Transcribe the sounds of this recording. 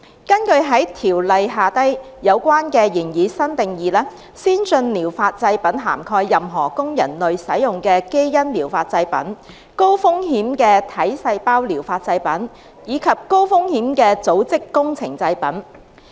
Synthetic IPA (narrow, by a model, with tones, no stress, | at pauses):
kɐ˥nkɵ˧ɥɦɐ˨˥jt̪ʰiː˨˩wlɐ˨jɦaː˨t̪ɐ˥j | jɐ˨˧wkʷaː˥nkɛː˧jiː˨˩njiː˨˧sɐ˥nt̪ɪ˨ŋjiː˨lɛː˥ | siː˥nsɵ˧nliː˨˩wfaː˧t̚t͡sɐ˧jpɐ˨˥nɦa̰ː˨˩mkʰɔː˧jːɐ˨mɦɔ̰ː˨˩kʊ˥ŋjɐ̰˨˩nlɵ˨ɥsɐ˨˥jjʊ˨ŋkɛː˧ke˥jːɐ˥nliː˨˩wfaː˧t̚t͡sɐ˧jpɐ̰˨˥n | ko˥wfʊ˥ŋɦiː˨˥mkɛː˧t̪ʰɐ˨˥jsɐ˧jpaː˥wliː˨˩wfaː˧t̚t͡sɐ˧jpɐ˨˥n | jiː˨˧˥kʰɐ˨p̚ko˥wfʊ˥ŋhiː˨˥mkɛː˧t͡so˨˥wt͡sɪ˥kːʊ˥ŋt͡sʰɪ˨˩ŋt͡sɐ˧jpɐ˨˥n